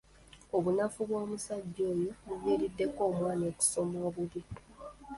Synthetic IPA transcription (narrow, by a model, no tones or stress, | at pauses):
o̞βunafuβwo̞ːmusaɟːo̞ːjoβuβiːɾidːe̞ko̞ːmwaːnioku̥so̞moːβuβi